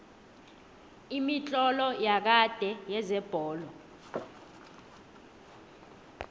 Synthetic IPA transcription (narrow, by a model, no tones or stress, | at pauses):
imit͡ɬʼɔlɔjak̬ad̥ʱɛjɛzɛb̥ʱɔːlɔ